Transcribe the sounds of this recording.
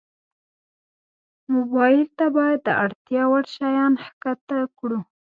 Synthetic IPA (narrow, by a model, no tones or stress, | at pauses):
mʊbɑjɪlt̪abɑjad̪̚ːəʔaɽt̪jɑwaɽʃɑjɑnhkat̪akɽu